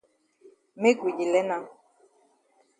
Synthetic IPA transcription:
me˦ɡwi˨d͡ʒi˨lɛ˦na˦

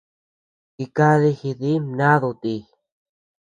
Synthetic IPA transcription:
ki˧ka˦ði˦˧xi˧ði˦mnã˦ðu˧t̪i˧

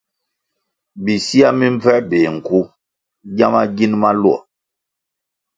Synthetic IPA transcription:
bi˨si˦a˦mi˦mvɛ˦be˨ŋ̩˨ku˦ | ɟa˦ma˦ɡi˦nma˦lu˦ɔ̰˨

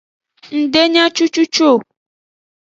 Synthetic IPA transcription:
ŋ̩˨ɖe˦ɲã˦t͡ʃu˦t͡ʃu˦t͡ʃo˦˨

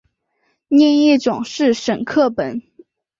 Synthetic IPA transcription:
njɛ˥˧njɛ˥˩ʈ͡ʂʊ˨˩ŋʂɻ̩˥˩ʂə˨˩nkʰɤ˥˩pə˨˦n

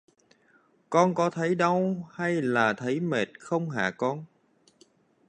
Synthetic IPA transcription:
kɔ˧nkɔ˨˦t̪ʰə˨˦jɗə˧wha˧jlaː˨˩t̪ʰə˨˦jme˨˩t̚xə˧wŋ͡mɦa̰ː˧˨kɔ˧n

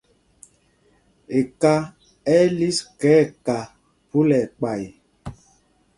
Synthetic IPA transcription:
e˨ka˦ | ɛ˦li˦skɛː˨˦˨ka˨ | pu˦lɛ˨k͡pa˨ji˨

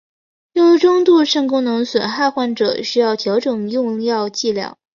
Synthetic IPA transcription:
jo˥˧ʈ͡ʂʊ˥ŋt̪u˥˧ʂə˥˩ŋkʊ˥ŋnɤ˧˥ŋswə˨˩nxa˥˧xwa˥˩nʈ͡ʂɤ̰˨˩ɕy˥jɑ˥˩ʊt̪ʰjɑ˧˥ʊʈ͡ʂɤ˨˩ŋjʊ˥˧ŋjɑ˥˧ʊt͡ɕi˥˩ljɑ̰˥˩ʊ

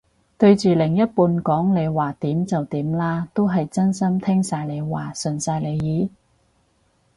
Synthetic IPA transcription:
t̪ɵ˧ɥt͡ʃyː˨lɪ˨˩ŋjɐ˥t̚puː˧nkɔː˨˥ŋle˨˧jwaː˨˩t̪iː˨˥mt͡sɐ˨wt̪iː˨˥mlaː˥t̪o˥wɦɐ˨jt͡sɐ˥nsɐ˥mt̪ʰɪ˥ŋsaː˧jle˨˧jwaː˨˩sɵ˨˩nsaː˧jle˨˧jjiː˨˥

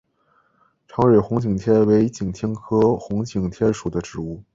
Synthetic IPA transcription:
ʈ͡ʂʰɑ˧˥ʊɻe˨˩xʊ˧˥ŋt͡ɕi˨˩ŋt̪ʰjɛ˥we˧˥ɪt͡ɕi˨˩ŋt̪ʰjɛ˥nkʰɤ˥xʊ˧˥ŋt͡ɕi˨˩ŋt̪ʰjɛ˥nʂu˨˩d̪ə˦ʈ͡ʂɻ̩˧˥u˥˩

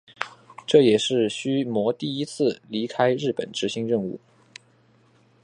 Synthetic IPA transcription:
ʈ͡ʂɤ˥˩jɛ˨˩ʂɻ̩˥˩ɕy˥mwɔ˧˥t̪i˥˩i˥t͡sʰɹ̩˥˩li˧˥kʰa˥ɪɻɻ̩˥˩pə̰˨˩nʈ͡ʂɻ̩˧˥ɕi˧˥ŋɻə˥˧ŋu˥˩

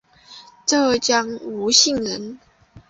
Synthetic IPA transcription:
ʈ͡ʂɤ˥˧t͡ɕjɑ˥ŋu˧˥ɕi˥˩ŋɻə˧˦n

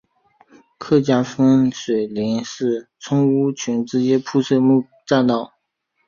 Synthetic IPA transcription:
kʰɤ˥˩t͡ɕja˥fə˥nʂwe˨˩ɪli˧˥ŋʂɻ̩˥˩t͡sʰʊ˥ŋu˥t͡ɕʰy˧˥nʈ͡ʂɻ̩˧˥t͡ɕjɛ˥pʰu˥˧ʂʰɤ˥˧mu˥˧ | ʈ͡ʂa˥˧nt̪ɑ˥˩ʊ

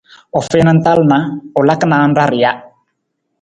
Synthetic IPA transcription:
ɔ˨fɛ˦na˦n˦t̪a˦lma˨˦ɔ˨la˦kna˨˦nda˦ɾɪ˨ja˦

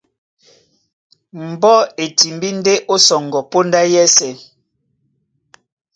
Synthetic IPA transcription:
m̩˨bɔ˦e˨ti˨mbi˦n˦de˦ʔo˦sɔ˨ŋɡɔ˨po˦nda˦jɛ˦sɛ˨

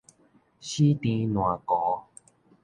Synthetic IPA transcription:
ɕi˦t̪ĩ˧nw̃ã˨kɔ˨˦

